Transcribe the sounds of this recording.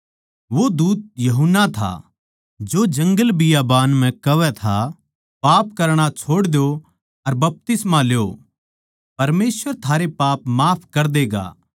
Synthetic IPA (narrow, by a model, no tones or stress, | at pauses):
ʋod̪uːt̪̚jɐɦʊnːat̪ʰa̰ | d͡ʒod͡ʒɐ̃ŋɡəlbɪjabaːnm̤ɛ̃kɐʋɛt̪ʰa̰ | paːp̚kɐɾɽ̃at͡ʃʰoːɽd̪jo | ɐɾbɐp̚t̪ɪsmaljo | pɐɾmeːsʋəɾt̪ʰaːɾepaːpmaːpʰkɐɾd̪eːɡa̰ː